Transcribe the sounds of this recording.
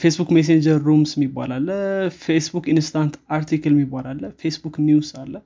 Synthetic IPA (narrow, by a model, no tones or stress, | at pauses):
fesbukmes̬end͡ʒəɾːumsɪmːibːa̰lalːəfesbukinst̪ʰant̪ʰaɾt̪ʰikəlmːibːalalːəfesbuknjusalːə